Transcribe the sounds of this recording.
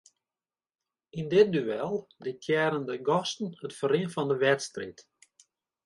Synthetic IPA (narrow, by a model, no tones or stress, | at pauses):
indɪt̚dyɛlˠdɪkʰjɛːɾəndəɡɔstən̩hətfərɪənfɔndəʋɛtstrit